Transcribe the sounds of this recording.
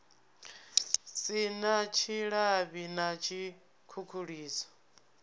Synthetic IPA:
sinat͡ʃʰiɺaβinat͡ʃʰi | kʰukʰuɺiːsɔ̥

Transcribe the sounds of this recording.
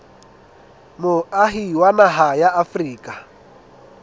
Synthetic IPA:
moaɦiwanaɦajaʔafriːkʼa

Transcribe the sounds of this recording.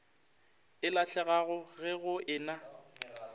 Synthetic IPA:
ɪlaɬɛɣaɣʊɣɛɣʊʔɪːna

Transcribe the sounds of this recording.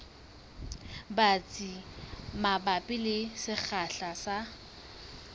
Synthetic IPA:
bat͡sʼimabapʼɪlɪsɪk͡xʰaɬasa

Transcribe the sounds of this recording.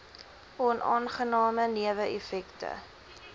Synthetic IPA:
ʔɔnʔɑ̰ːnχənɑːməniəvəʔefɛktə̰

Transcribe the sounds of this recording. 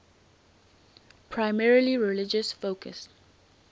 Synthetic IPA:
pʰɹaɪmɛɹəliɹɛlɪd͡ʒəsfoʊkʰə̰s

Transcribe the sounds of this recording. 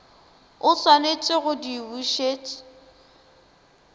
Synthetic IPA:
ʊswanet͡sʼɪɣʊdiwuʃeːt͡sʼɪ̥

